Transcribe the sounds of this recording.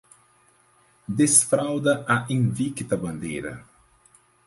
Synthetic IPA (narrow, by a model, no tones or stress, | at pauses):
d̪esfɾawd̪ɐaʔĩŋvikit̪ɐbɐ̃nd̪ḛjɾɐ̰